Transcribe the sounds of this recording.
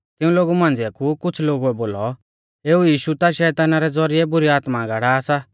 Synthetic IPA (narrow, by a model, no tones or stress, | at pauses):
kɪ̃ũloːɡumãːn̆d͡ziakʰukʊt͡sʰloːɡuɛboːlɔ | eːujiːʃut̪aʃɛːt̪aːnaɾɛd͡zɔɾiɛbʊɾiaːt̪maɡaɽaːsa